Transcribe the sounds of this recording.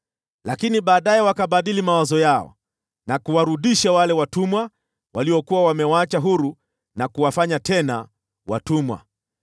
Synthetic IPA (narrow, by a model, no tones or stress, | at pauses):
lakiniɓaːɗajɛwakaɓaɗilimawazɔjaɔ̰ | nakuwaɾuɗiʃawalɛwatumwa | waliwɔkuwawamɛwaat͡ʃaɦuɾu | nakuwafaɲatɛna | wa̰tumwa̰